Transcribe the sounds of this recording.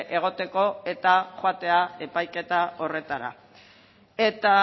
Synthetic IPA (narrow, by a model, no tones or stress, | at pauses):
ʔe̞ɣ̞o̞t̪e̞ko̞e̞t̪aχwat̪e̞ae̞pajke̞t̪ao̞re̞t̪aɾa̰ | e̞t̪a